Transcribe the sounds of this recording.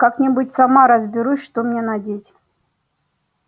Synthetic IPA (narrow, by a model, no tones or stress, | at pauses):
kaknʲɪbutʲsamaɾəzbʲɪɾusʲʂt̪omnʲenadʲetʲ